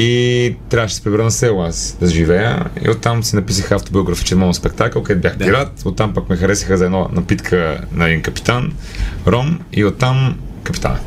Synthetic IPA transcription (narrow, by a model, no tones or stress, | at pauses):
it̪ɾʲjavəʃɛsɛ̥pɾɛbəɾənəsɛlˠasd̪ɐʒivɛjə̰ḭot̪ːamsɛnɐpisəxəːft̪obioɡɾɐfi̥t͡ʃɛnmɔnspɛk̚t̪akəokɛd̪̚bʲjaxpiɾat̪ot̪ːampakmɛxɐɾɛsixəzɐɛd̪nɔnɐpit̪kʰənɐɛd̪inkɐpi̥t̪an | ɾɔmiot̪ːam | kɐpi̥t̪a̰n̰